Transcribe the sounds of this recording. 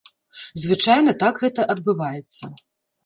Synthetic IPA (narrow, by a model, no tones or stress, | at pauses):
zvɨt͡ʂajnɐt̪akɣɛt̪ɐʔɐd̪̚bɨvajɛt̪sːɐ